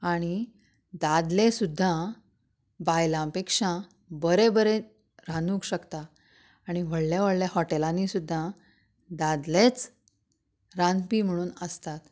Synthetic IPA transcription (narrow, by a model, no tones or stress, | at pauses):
aɽ̃i | d̪ad̪lẽsud̪ʱːã | bajlãpekʂã | bəɾebəɾe | ɾanũkɕəkt̪aː | ɽ̃iʋəɽljaʋ̤əɽljahɔʈelãnisud̪ʱːa | d̪ad̪let͡s | ɾanpim̤əɽ̃uːnəst̪at̪